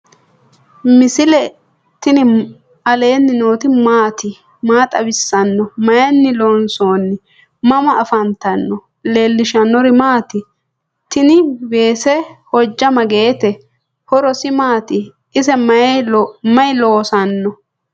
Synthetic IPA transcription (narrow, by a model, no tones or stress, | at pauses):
mɪsɪlɛ | t̪ɪnɪ | ɐle̞ːnːɪnoːt̪ɪmaːt̪ɪ | maːt̪ʼɐbɪsːɐnːɔmɐjɐnːɪlonso̞ːnːɪ | mɐmɐʔːfɐnt̪ɐnːɔ | le̞ːlːɪʃɐnːɔɾɪmaːt̪ɪ | t̪ɪnɪbe̞ːsɛhɔd͡ʒːɐmɐɡe̞ːt̪ɛ | hɔɾɔsɪmaːt̪ɪ | ɪsɛmɐjmɐjloːsɐnːɔ